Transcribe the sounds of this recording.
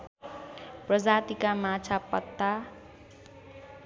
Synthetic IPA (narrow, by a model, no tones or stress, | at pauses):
prʌd͡zat̪ikamat͡sʰapʌt̪ːa